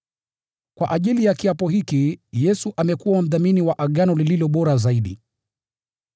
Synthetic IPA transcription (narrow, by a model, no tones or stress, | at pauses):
kwʔa̰ʔaʄilijakiapɔhikijɛsuʔamɛkuwam̩ðaminiwaʔaɠanɔlililɔɓɔɾazaiɗi